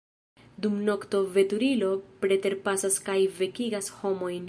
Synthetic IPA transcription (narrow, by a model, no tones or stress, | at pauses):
dumno̞kto̞ve̞tuɾilo̞pɾe̞te̞ɾpasaskajve̞kiɡasho̞mo̞jn